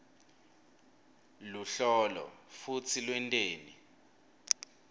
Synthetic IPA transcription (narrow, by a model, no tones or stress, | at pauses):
luɬɔlɔ̰fut͡sʰilwɛntʼeːni